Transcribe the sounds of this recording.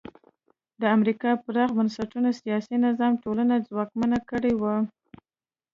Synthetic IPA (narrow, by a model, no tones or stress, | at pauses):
d̪əamɾikɑpəɾɑɣbansaʈunasijɑsinɪzɑmʈolanad͡zwɑkmanakəɽewa